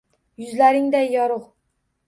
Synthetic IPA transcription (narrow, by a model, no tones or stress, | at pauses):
jʊzlaɾɪŋd̪ajːɒɾʊʁ